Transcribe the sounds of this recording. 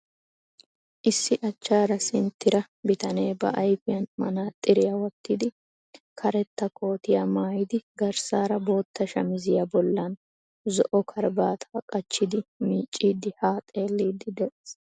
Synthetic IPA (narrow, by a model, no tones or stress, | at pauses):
ʔɪsːɪʔɐt͡ʃːaːɾɐsɪnt̪ːɪɾɐ | bɪt̪ɐneːbɐ̰ʔɐjfɪjɐnmɐ̰naːt̪ʼːɪɾɪjɐwɔt̪ːɪd̪ɪ | kʰɐɾɛt̪ːɐko̞ːt̪ɪjamaːjɪd̪ɪɡɐɾsaːɾɐbo̞ːt̪ʰːɐʃɐmɪzɪjɐbɔlːɐn | zɔʔɔkʰɐɾbaːt̪ʰaːkʼɐt͡ʃːɪd̪ɪmiːt͡ʃʼːiːd̪ɪhaːt̪ʼe̞ːlːiːd̪ːɪd̪ɛs